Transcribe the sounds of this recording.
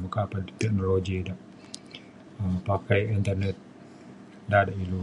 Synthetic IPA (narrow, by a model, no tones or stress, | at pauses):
makapat̪ɛk̚noloɡidaʔ | əpakajint̪ərnɛt̪̚ | dadailu